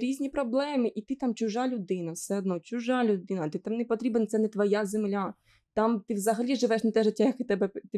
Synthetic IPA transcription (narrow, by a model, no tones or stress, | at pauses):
ɾʲizʲnʲipɾɔblˠɛmɪʔit̪ɪt̪amt͡ʃʊʒalʲʊd̪ɪnɐfsɛɔd̪nɔt͡ʃʊʒalʲʊd̪ɪnɐt̪ɪt̪amnɛpɔt̪ɾʲibɛnt̪sɛnɛt̪ʋɔjazemlʲa | t̪ɑmt̪ɪʋzɐɦɐlʲiʒɪʋɛʃnɐt̪ɛʒɪtʲːajɐkɪt̪ɛbɛt̪ɪ